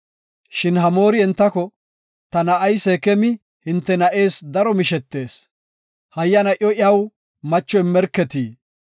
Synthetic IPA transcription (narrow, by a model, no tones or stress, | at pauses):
ʃɪnhɐmo̞ːɾɪɛnt̪ːɐkɔ | t̪ɐnɐʔɐjsɛkɛmɪ | hɪnt̪ːɛnɐʔe̞ːsd̪ɐɾɔmɪʃɛt̪ːe̞ːs | hɐjːɐnɐʔɔʔɪɐw | mɐt͡ʃːɔɪmːɛɾkːɛt̪iː